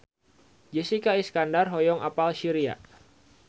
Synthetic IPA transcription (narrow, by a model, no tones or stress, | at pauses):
d͡ʒɛsikaiskandarɦɔjɔŋʔapalʃiɾia̰